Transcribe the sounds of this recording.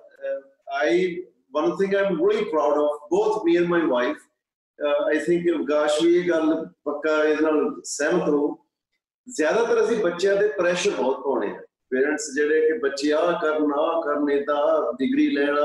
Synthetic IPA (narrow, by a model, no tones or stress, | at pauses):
aːɪ | ʋə̃nt̪ʰɪ̃ŋɡãɪ̃mɾoːlipɾaːʊɖɔːfboːt̪ʰmiːɛ̃nmaɪʋaːɪfʰ | aːɪt̪ʰɪ̃ŋkɡaːʃiːeːɡəlpəkːaːɪd̪eːnaːlsɛːmət̪ʰɾoː | zjaːd̪aːt̪əɾəsĩːbətːʃjãːd̪eːpɾɛːʃəɾbɔːt̪̚pɔ̃ːɽ̃ḛːã̰ː | peːɾəɳʈsd͡ʒeːɽekɪbətːʃjãːkəɾnãːkəɾneːd̪ãːɖɪɡɾiːlɛːɽ̃aː